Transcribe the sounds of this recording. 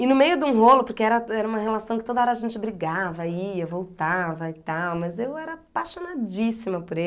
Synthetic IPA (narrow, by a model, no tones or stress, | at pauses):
ɪnʊmejʊd̪ɪũɦolʊpoɾkeɛɾɐɛɾɐũmɐhelasɐ̃w̃kɪ̥t̪od̪ɐɔɾɐaʒẽnt͡ʃɪbɾiɡavɐiɐvowt̪avɐɪt̪awmɐzewɛɾɐapaʃonad͡ʒisimɐpʊɾe